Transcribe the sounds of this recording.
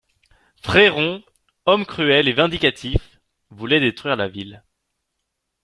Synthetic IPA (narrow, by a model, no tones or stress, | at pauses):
fχeʁɔ̃ | ɔmkχyɛlevɛ̃d̪ikat̪ʰif | vulɛd̪et̪χɥiʁlavil